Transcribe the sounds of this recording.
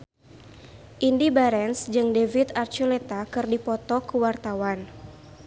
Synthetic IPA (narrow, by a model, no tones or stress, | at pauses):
ʔindibaɾɛnsd͡ʒɨŋdevit̪art͡ʃulet̪akɨrdipɔt̪ɔkuwart̪awan